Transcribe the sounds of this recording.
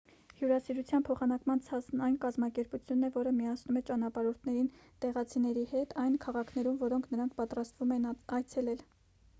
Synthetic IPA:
hjuɾɑsiɾut͡sʰjɑnpʰɔχɑnɑkmɑnt͡sʰɑt͡sʰnɑjnkɑzmɑkɛɾput͡sʰjunːɛvɔɾəmijɑsnumɛt͡ʃɑnɑpɑɾɔɾt̪ʰnɛɾin | t̪ɛʁɑt͡sʰinɛɾihɛt̪ʰɑjnkʰɑʁɑkʰnɛɾumvɔɾɔŋkʰnəɾɑŋk̚ʰpɑt̪ɾɑst̪vumɛnɑjt͡sʰɛlɛl

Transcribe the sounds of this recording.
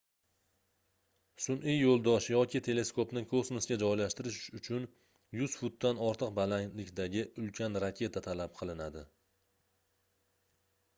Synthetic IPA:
sʊnʔijːolˠd̪ɒʃjɒkʲɪt̪ʰe̞le̞skopnɪkʰosmosɡʲad͡ʒɒjlaʃt̪ɪɾɪʃʊt͡ʃʰʊn | jʊz̥fʊt̪ːanɒɾt̪ʰɨqbalaŋlɪkʲd̪aɡʲɪʊlkʲʰanɾakʲʰe̞t̪ʰat̪ʰalap̚qʰɨlˠɪnad̪ɪ

